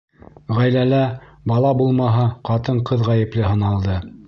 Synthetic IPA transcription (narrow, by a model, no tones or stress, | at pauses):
ʁæjlælæbɑlˠɑbulˠmɑɦɑqɑt̪ɤɴqɤðʁæjɘ̆plɘɦɤ̆nɑlˠd̪ɤ